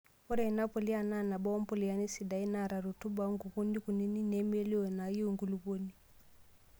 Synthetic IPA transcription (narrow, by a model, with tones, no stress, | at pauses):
ɔ˦ɾɛ˨i˨na˦pɔ˨li˦a˨na˦˨na˨bɔ˦ɔ˦m˦pɔ˦˨li˨a˦ni˦si˨da˨˦i˦na˨ɾa˨ɾu˨tu˦ba˦ŋɡu˨βu˦ndi˦ku˨ni˦ni˦nɛ˦m˦ɛ˦li˦ɔ˨na˨ji˦u˨ŋɡu˨lu˨βo˦ni˦